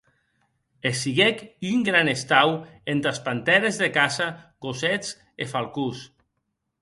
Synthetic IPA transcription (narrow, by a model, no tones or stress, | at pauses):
esiɣekyŋɡɾanest̪awent̪ɾaspant̪ɛɾezðekasakoset͡s | efalˠkus